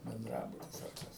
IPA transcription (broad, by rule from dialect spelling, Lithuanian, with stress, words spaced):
bʲɛnˈdrɑːbʊtʲɪs ɐr ˈkɐs